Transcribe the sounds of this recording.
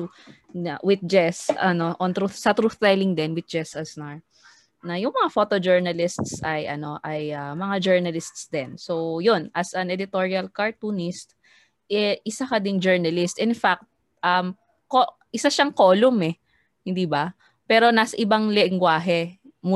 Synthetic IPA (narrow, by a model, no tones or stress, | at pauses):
awɪt̪̚d͡ʒɛsɐno̞ʔont̪ɾuθsɐt̪ɾuθt̪ɛjlɪŋd̪ɛnwɪd̪̚d͡ʒɛsɐsnaɹ | nɐjʊŋmɐŋafot̪od͡ʒɛɹnɐlɪst̪sɐjʔɐ̰no̞ʔɐjʔamɐŋad͡ʒɛɹnɐlɪst̪sd̪ɛnsowjonɐsɐnɛd̪ɪt̪oɹiɐlkɐɹt̪uːnɪst̪̚ | ʔɛʔɪsakɐd̪ɪŋd͡ʒɛɹnɐlɪst̪ʔɪnfak̚t̪̚ | ʔɐm | ko | ʔɪsaʃɐŋkoːlʊmɛ | hɪnd̪iːbɐ | pɛːɾo̞naːsɐʔɪbaŋlɛŋɡwaːɦɛ | mʊ